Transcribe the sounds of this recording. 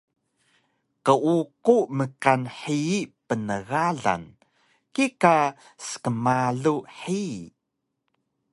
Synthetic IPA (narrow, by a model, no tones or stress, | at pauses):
qəʔuquməkanħiipənəɣaɮa̰n | kika | sə̥kəmaɮuħi